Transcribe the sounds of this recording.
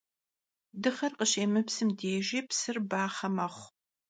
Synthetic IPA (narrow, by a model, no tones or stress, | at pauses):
dɨχɐrqəɕeːmɨpsɨmdeːʒiːpsɨrbaːχɐmɐχʷ